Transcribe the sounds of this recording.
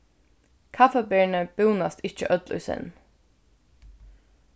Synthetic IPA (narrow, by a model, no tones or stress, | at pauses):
kʰafəbɛːɳəb̥ɪwnast̪ɪt͡ʃə̰ʔœt̪lʉ̰ːsɪ̰n